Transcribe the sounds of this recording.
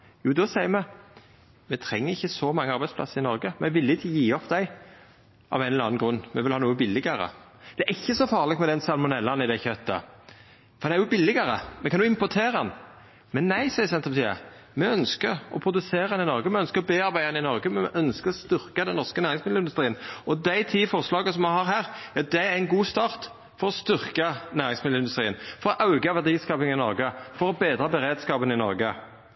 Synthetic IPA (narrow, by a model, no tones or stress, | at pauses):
juːd̪ɔsæɪəɾmɛ | mɛt̪ʰɾɛŋːəɾɪçːəsɔmɑŋːəɑɾbæɪdspʰlɑ̰səɾɪnɔɾɡəmɛʋɪlːɪçəjiːɔpʰd̪æɪ | ʔɑ̰ʋæɪnlɑ̰ːnnɡɾʉnːmɛʋɪlhɑːnuːəbɪlːɪɡɑɾə̰ | d̪̥ɛæɾɪçːəsɔfɑːʁlɪkt̪mɛd̪ɛnsɑlmʊnɛlːɑnɪd̪æçœt̪ːə̰ | fɔʁdɑnæjʊbɪlːɪɡɑɾəmɛkʰɑnuːɪmpʊt̪ʰeːɾəɑn | mɛnːæɪsæɪəsɛnt̪əpɑt̪iːə̰mɛœnskəɾɔ̰pʰɾʊd̪ʉseːʁɑɛnɪnɔɾɡəmɛœnskəɾɔbeːɑɾbæɪɛnɪnɔɾɡəmɛɛʔœnskəɾɔst̪ʏɾkəd̪ɛnːɔʁskənæːʁɪŋsmɪd̪l̩ɪnd̪ʉst̪ɾiːənɔd̪æɪt̪ʰiːfɔɾʁslɑːɡəsɔmɛhɑɾhæːʁjɑd̪ɛæɾɪnɡuːst̪ɑːʁt̪ | fɔɾɔst̪ʏʁkɑnæːɾɪŋsmɪd̪lɾɪnd̪ʉst̪ɾiːənfɔɾɔʔɑʉɡɑʋæʁd̪iːskɑːpɪŋɪnɔɾɡəfɔɾɔbeːd̪ɾɑbəɾeːd̪skɑːpənɪnɔɾɡə